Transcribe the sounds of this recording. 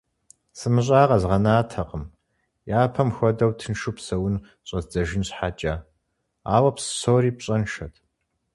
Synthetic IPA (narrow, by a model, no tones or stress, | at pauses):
sɨmɨɕ̬ʼaːqɐzʁɐnaːtʰɐqəm | jaːpʰɐmxʷɔdɐwtʰɨnʃupsɐwʊn | ɕʼɐzd͡zɐʒɪnɕħat͡ʃʼa | a̰ːwɐpsɨ̥soːɾiːpɕʼɐnʃɐtʰ